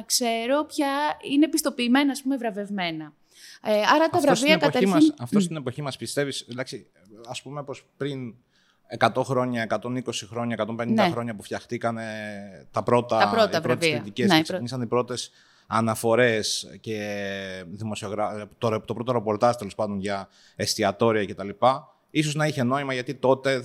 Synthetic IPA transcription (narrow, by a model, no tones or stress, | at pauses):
ɐkse̞ɾopçɐine̞pist̪o̞piːme̞nɐːspume̞vɾɐve̞vme̞nɐ | ɐɾɐt̪ɐvɾɐosviɐekɐç̪imɐsɐft̪ost̪inepo̞çimɐspist̪e̞vislɐksi | ɐspume̞po̞spɾin | ekɐt̪oxɾo̞ɲɐe̞kɐt̪o̞niko̞sixɾo̞ɲɐekɐt̪o̞mpenind̪exɾo̞ɲɐpufçɐxt̪ikɐnet̪ɐpɾo̞t̪ɐɾoɐvɾot̪vsist̪iceseksɲisɐnipɾo̞t̪e̞s | ɐnɐfo̞ɾe̞sce̞ | ðimo̞sio̞ɣɾɐt̪oɾt̪opɾo̞t̪oɾe̞po̞ɾt̪ɐʒt̪e̞lo̞spɐnd̪o̞nʝɐ | e̞st̪iɐt̪o̞ɾiɐce̞t̪ɐlipɐ | is̬o̞znɐiçe̞no̞imɐʝɐt̪it̪o̞t̪e̞